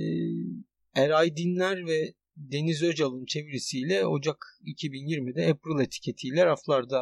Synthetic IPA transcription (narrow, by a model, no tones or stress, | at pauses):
ɛɾajd̪inlʲæɾvɛ | d̪e̞nizø̞d͡ʒalˠɯnt͡ʃʰe̞vɾisijlʲɛo̞d͡ʒakicʰibinjiɾmid̪ɛepɾilˠet̪ʰi̥cʰe̞t̪ʰijlʲɛɾaflˠaɾd̪a